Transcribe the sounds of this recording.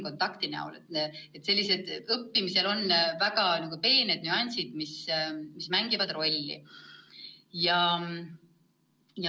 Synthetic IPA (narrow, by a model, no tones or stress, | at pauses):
ko̞nt̪ːˑɑkt̪inæ̰ṵlet̪et̪ːˑse̞lʲːise̞d̪̥ɤpːimise̞lo̞nvæɡ̥ɑnɑɡupe̞ːned̪̥̚nyɑnʲsid̪̥mismismæŋɡ̥ivɑd̪̥ro̞lʲːḭ | jɑ | j